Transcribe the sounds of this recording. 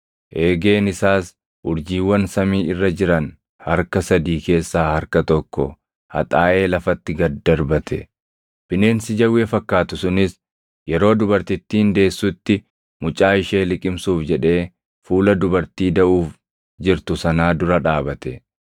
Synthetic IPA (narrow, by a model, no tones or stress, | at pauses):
ʔe̞ːɡe̞ːnɪsaːs | ʔʊɾd͡ʒiːwːɐnsɐmiːɪrːɐd͡ʒɪɾɐn | hɐɾkɐsɐd̪iːke̞ːsːaːhɐɾkɐt̪ɔkːɔ̰ | hɐ̰t̪ʼaːʔe̞ːlɐfɐt̪ːɪɡɐd̪ɐɾbɐt̪ʰɛ̰ | b̥ɪne̞ːnsɪd͡ʒɐwːeːfɐkːaːt̪ʊsʊnɪs | jɛɾo̞ːd̪ʊbɐɾt̪ɪt̪ːiːnd̪e̞ːsːʊt̪ːɪ | mʊt͡ʃʼaːɪʃe̞ːlɪkʼɪmsuːfd͡ʒɛᶑe̞ː | fuːlɐd̪ʊbɐɾt̪iːd̪ɐʔuːf | d͡ʒɪɾt̪ʊsɐnaːd̪ʊɾɐᶑaːbɐt̪ɛ